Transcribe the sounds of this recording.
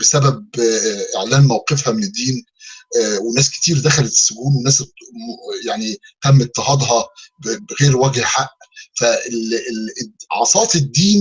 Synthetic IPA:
besæbæb̚ʔeʕlæːnmæwqefhæmened̪ːiːn | wenæːske̥t̪iːɾd̪æxælet̪e̥sːʊɡuːnwenæːs | jaʕnit̪æmːet̪ːeɦɑd̪ˤɦɑbbɣeːɾwæɡhħaʔ | fæel | ʕɑ̰sˤɑːt̪ˤed̪ːiːn

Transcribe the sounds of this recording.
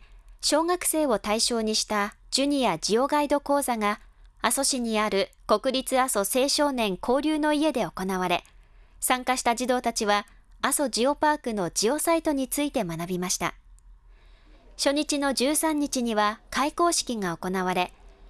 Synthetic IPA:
ɕo̞ːŋakɯ̟̥se̞ːo̞t̪aiɕo̞ːɲ̟iɕi̥t̪ad͡ʑɨɲ̟ijad͡ʑio̞ɡaid̪o̞ko̞ːzaŋaːso̞ɕiɲ̟iaɾɯ̟ko̞kɯ̟ɾʲit͡sɨaso̞se̞ːɕo̞ːnẽ̞ŋkʰo̞ːɾʲɯːno̞ie̞d̪e̞o̞ko̞naβ̞aɾe̞ | sãŋkaɕi̥t̪ad͡ʑid̪o̞ːt̪at͡ɕiβaaso̞d͡ʑio̞paːkɯ̟no̞d͡ʑio̞sait̪o̞ɲ̟it͡sɨit̪e̞manabʲimaɕi̥t̪a̰ | ɕo̞ɲ̟it͡ɕino̞d͡ʑɨːsãɲ̟ːit͡ɕiɲ̟iβakaiko̞ːɕi̥kʲiŋaoko̞naβaɾe̞

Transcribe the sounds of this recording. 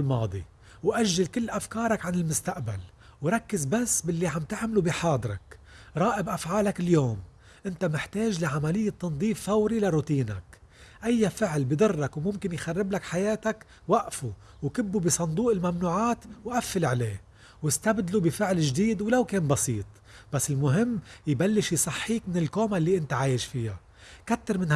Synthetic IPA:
lmɑːd̪ˤi | wʔaʒːalkɪlːʔafkɑːɾˤɑkʕanɪlmʊst̪aʔbal | wɾˤɑkːɪzbasːbɪlːiʕamt̪ɪʕmɪlubiħɑːd̪ˤɾˤɑ̰k | ɾˤɑːʔɪbʔafʕaːlakɪljoːm | ʔɪnt̪amɪħt̪eːʒlaʕamalɪjːat̪ːɑnd̪ˤiːfːawɾilaɾuːt̪iːnak | ʔajːafɪʕlbid̪ˤɨrˤːɑkwmʊmkɪnjxarːɪblakħajeːt̪ak | waʔfu | wkɪbːubisˤɑnd̪ˤuːʔɪlmamnuːʕaːt̪wʔafːɪlʕaleː | wɪst̪abd̪lubɪfɪʕlɪʒd̪iːd̪wlawkeːnbɑsiːt̪ˤ | b̥asːɪlmʊɦɪmːjbalːɪʃjsˤɑħːiːkmɪnɪlkoːmalːiʔɪnt̪aʕaːjɪʃfɪja | kat̪ːɪɾmɪn

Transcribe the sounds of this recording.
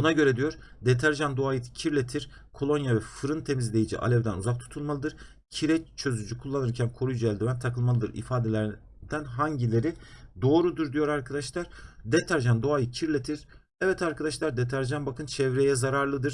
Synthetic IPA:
bunaɟø̞ɾɛd̪ijo̞ɾd̪et̪ʰæɾʒand̪o̞ajɯcʰiɾlʲe̞t̪ʰiɾ̥ | kʰo̞lˠo̞njavɛfɯɾɯnt̪ʰe̞mizlʲe̞jid͡ʒḭʔa̰lʲɛvd̪ænuzak̚t̪ʰu̥t̪ʰulˠmalˠɯd̪ɯɾ̥ | cʰiɾɛt͡ʃʰø̞zyd͡ʒykʰulˠːanɯɾcʰænkʰo̞ɾujd͡ʒɛlʲd̪yvænt̪ʰakɯlˠmalˠɯd̪ɯɾḭfaːd̪e̞lʲæɾ | d̪̥ænɦaɲɟilʲe̞ɾid̪o̞ːɾud̪uɾd̪yjo̞ɾaɾkʰad̪aʃlˠaɾ̥d̪et̪ʰæɾʒand̪o̞ajɯcʰiɾlʲet̪ʰiɾ̥ | ɛvɛt̪ʰaɾkʰad̪aʃlˠaɾd̪et̪ʰæɾʒanbakʰɯnt͡ʃʰɛvɾe̞jɛzaɾaɾlˠɯd̪ɯɾ̥

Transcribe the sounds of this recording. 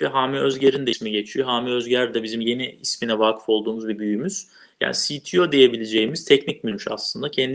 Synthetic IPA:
ɛɦaːmiøzɟeɾind̪ɛsmiɟe̞t͡ʃʰijoɦaːmiøzɟæɾd̪ɛbizimje̞niisminɛvaːkʰɯ̥fo̞lˠd̪uːmuzbɛbyjymyz̥ | ja̰ːnisit̪ʰijo̞d̪ejebilʲed͡ʒe̞jimiz̥t̪ʰɛcnicmynyʃa̰slˠɯnd̪acʰɛnd̪

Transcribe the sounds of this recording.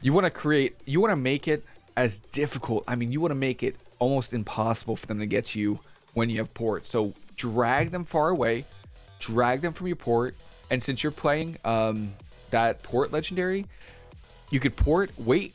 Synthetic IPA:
jɨwɑnɨkʰɹ̥ieɪt̚jɨwɑnɨmeɪkɪɾɨzdɪfɨkʰl̩ˠta̰ɪmĩnjɨwɑnɨmeɪkɪɾɔlˠmoʊstɨ̃mpʰɑsəbl̩ˠfə˞ðɨ̃mtʰɨɡɛtʰɨjʉ | wə̃njɨːv̥pʰɔɹtsoʊdɹæɡ̚ðə̃ɱfɑɹəweɪ | dɹæɡ̚ðɨ̃ɱfɹʌ̃mjə˞pʰɔɹt̚ | ɨ̃nsɪ̃nsjə˞pʰl̥eɪɪ̃ŋʌ̃m | ðət̚pʰɔɹʔlɛd͡ʒn̩dɛɹi | jɨkɨd̚pʰɔɹt̚weɪt̚

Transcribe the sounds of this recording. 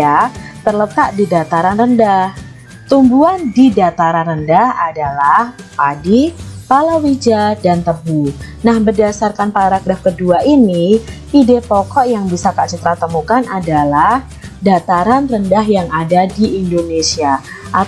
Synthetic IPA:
at̪ərlət̪aʔdidat̪aɾanrəndah | t̪umbuandidat̪aɾanrəndahadalahpadipalawid͡ʒadant̪əbu | nahbərdasarkanpaɾaɡɾafkəduaʔini | idepɔkɔʔjaŋbisakaʔt͡ʃut̪ɾat̪əmukanʔadalah | dat̪aɾanrəndaɦjaŋadadiːndonesia | ʔa

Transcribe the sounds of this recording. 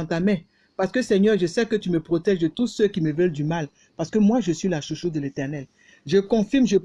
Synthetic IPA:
t̪amɛ̃ | paʁsə̥kəsɛɲœʁʒəsɛkət̪yməpχot̪ɛʒd̪ət̪usøkʲiməvœld̪ymal | paʁsə̥kəmwaʒəsɥilaʃuʃud̪əlet̪ɛʁnɛl | ʒəkɔ̃fiʁmʒəp

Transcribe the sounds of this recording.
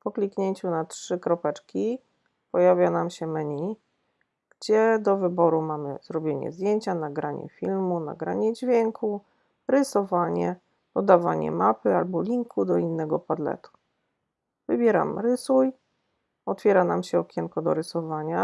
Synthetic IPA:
pɔklʲikɲeɲt͡ɕunatʂɘkɾɔpɛt͡ʂkʲi | pɔjavʲjanamɕɛmɛɲij | ɡ̥d͡ʑɛd̪ɔvɘbɔɾumamɘ̰zɾɔbʲjeɲɛ̰zd̪jeɲt͡ɕanaɡɾaɲɛ̰fʲilmuna̰ɡɾaɲɛd͡ʑvʲjɛŋkʰu | ɾɘsɔvaɲɛ | pɔd̪ava̰ɲɛ̰mapɘalbɔlʲiŋkʰud̪ɔinːɛɡɔpad̪lɛ̰t̪u̥ | vɘbʲjɛɾa̰mɾɘsuj | ɔt̪fʲjɛɾanamɕɛɔkʲɛŋkɔd̪ɔ̰ɾɘsɔvaɲa

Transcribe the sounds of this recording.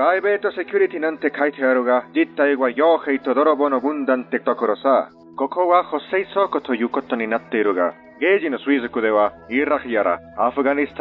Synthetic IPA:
ɡajbet̪ɔsekʰjuɾit̪ʰinant̪ekʰajt̪ʰɔjaɾuɡad͡ʒit̪ːajiɡwajɔːxejt̪ɔd̪ɔɾɔbɔnɔɡund̪ant̪et̪ɔkɔɾɔsa | kɔkʰɔwaxɔsejsɔkɔt̪ʰɔjukɔt̪ːɔninat̪ːejɾuɡa̰ | ɡed͡ʒinɔswiskud̪ewaiɾakʰjaɾa̰ːpʰɡanist̪ʰ

